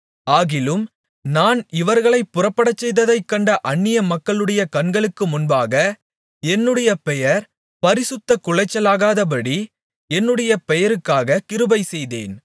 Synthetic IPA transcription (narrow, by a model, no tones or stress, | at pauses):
aːɣɪlɯm | naːnɪʋɐɾɣɐɭɐɪpːʊrɐpːɐɽɐt͡ʃːɛjðɐðɐɪkːɐɳɖɐʔɐɳːɪjɐmɐkːɐɭɯɽɐjɐkɐɳɡɐɭɯkːɯmʊnbaːɣɐ | ɛnːɯɽɐjɐpɛjɐɾ | pɐɾɪsɯt̪ːɐkʊɭɐɪt͡ʃːɐlaːɣaːðɐp̬ɐɽi | ɛnːɯɽɐjɐpɛjɐɾɯkːaːɣɐkɪɾɯbɐɪsɛjðḛːn